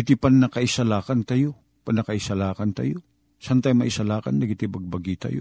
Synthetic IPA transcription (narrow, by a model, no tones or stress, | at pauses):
ɪt̪ɪpɐnnɐkɐʔɪsɐlaːkɐnt̪ɐjo | pɐnːɐkɐʔɪsɐlaːkɐnt̪ɐ̰jo | sant̪ajmɐʔɪsɐlaːkɐ̰ndɐɡɪt̪ɪbɐɡ̚bɐɡiːt̪ɐ̰jo